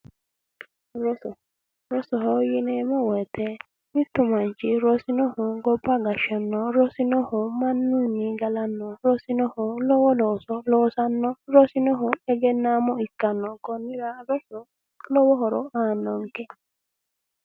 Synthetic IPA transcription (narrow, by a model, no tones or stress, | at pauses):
ɾɔsɔ | ɾɔsɔhɔjinɛmɔwɛt̪ɛ | mit̪umant͡ʃiɾosinɔhuɡɔbaɡaʃanːɔɾɔsinɔhɔmanːunːiɡalanːɔɾɔsinɔhɔlɔwɔlɔsɔlɔsanːɔɾɔsinɔɦɔɛɡɛnːamɔikːanːɔkɔnːiɾaɾɔsɔ | lɔwɔɦɔɾɔʔanːɔŋkɛ